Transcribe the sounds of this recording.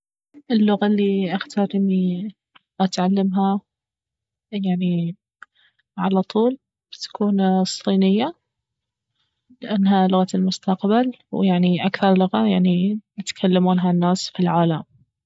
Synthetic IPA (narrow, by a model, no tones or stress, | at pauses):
ʔɪlːʊɣalːiʔaxt̪ʰaɾmi | ʔat̪ʕalːamɦa | jaʕni | ʕalat̪ˤuːl | bɪt̪ḁkʰuːnsˤːiːnɪjːa | lɪʔanːɦalʊɣalmʊst̪aqbal | wjaʕniʔakθɑɾˤlʊɣajaʕniɪt̪kʰalːamuːnɦanːaːsfilʕaːlam